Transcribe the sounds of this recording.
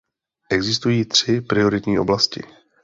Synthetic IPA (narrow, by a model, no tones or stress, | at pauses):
ʔɛɡzɪst̪ujiːt̪r̝̥ɪpɾɪo̞ɾɪt̪ɲiːʔo̞̰blascɪ̰